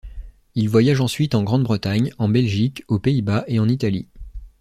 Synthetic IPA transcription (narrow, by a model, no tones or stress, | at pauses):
ilvwajaʒɑ̃sɥit̪ɑ̃ɡʁɑ̃d̪bʁət̪aɲɑ̃bɛlʒikopeibaʔeɑ̃nit̪alḭ